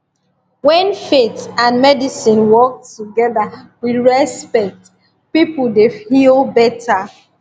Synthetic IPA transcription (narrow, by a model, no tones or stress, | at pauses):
wɛ̃nfetãnmɛdisĩnwɔk̚tːuɡɛðawiɹɛspɛk̚t | pipuldefilbɛtʰa